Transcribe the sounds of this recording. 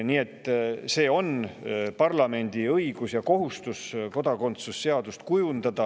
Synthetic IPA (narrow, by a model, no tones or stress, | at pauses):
niːe̞t̪ːˑse̞ːo̞npɑrlɑme̞nʲd̪̥iɤiɡ̥usjɑko̞ɦust̪usko̞d̪̥ɑko̞nt̪susːe̞ɑd̪̥ust̪kujund̪̥ɑd̪̥ɑ